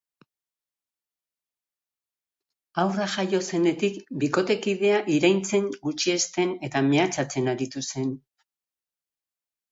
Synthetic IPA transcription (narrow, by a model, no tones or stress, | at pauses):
awraʝajo̞se̞ne̞t̪ikbiko̞t̪e̞kiðe̞aʔiɾajnt͡se̞ŋɡut͡ʃie̞st̪e̞ne̞t̪ame̞at͡sat͡se̞naɾit̪ust̪e̞n